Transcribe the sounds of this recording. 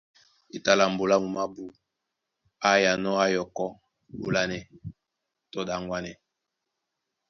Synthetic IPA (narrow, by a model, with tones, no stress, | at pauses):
e˨ta˨la˨m̩˨bo˨la˦mu˨ma˦bu˦ | a˦ja˨nɔ˦a˦jɔ˨kɔ˦ | bo̰˨la˦nɛ˨ | tɔ˦da˨ŋɡwa˦nɛ˨